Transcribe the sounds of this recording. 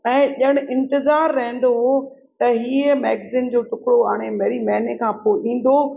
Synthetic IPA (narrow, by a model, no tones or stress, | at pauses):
ɛ̃ːʄəɽ̃ʔɪ̃nt̪ɪzaːɾːɐɦə̃n̆d̪oɦo | t̪ɐɦiːəmɛːɡzɪnd͡ʑoːʈʊkɽoaːɽ̃emeːɾimɐɦnekʰãːpoːɗĩːn̆d̪oː